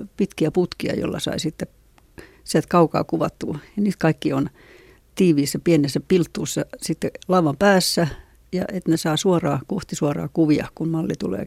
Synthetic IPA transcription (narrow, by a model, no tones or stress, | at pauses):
pit̪kiæput̪kiɑ̰jo̰lːɑ̰sɑ̰isit̪ːe | sielt̪kɑukɑ̰ːkuʋɑt̪ːṵːjɑniːt̪kɑikːion | t̪iːʋiːsːæpienesːæpilt̪ːuːsːɑsit̪ːelɑuʋɑmpæːsːæ | jɑ̰ʔet̪nesɑːsuorɑːkoht̪isuɑrɑ̰ːkuʋiɑ̰hkunmɑlːit̪ṵlḛː